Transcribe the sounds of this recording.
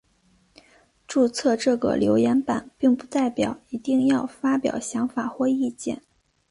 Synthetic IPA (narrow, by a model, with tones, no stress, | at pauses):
ʈ͡ʂu˥˧t͡sʰɤ˥˧ʈ͡ʂɤ˥˩ɡə̰˩ljo˧˥ʊjɛ˧˥npa̰˨˩˦npi˥˧ŋpu˥˧t̪a˥˩ɪpjɑ˨˩˦ʊi˧˥t̪i˥˧ŋjɑ˥˩ʊfa˥pjɑ̰˨˩ʊɕjɑ˧˥ŋfa˨˩xwɔ˥˧i˥˧t͡ɕjɛ̰˥˩n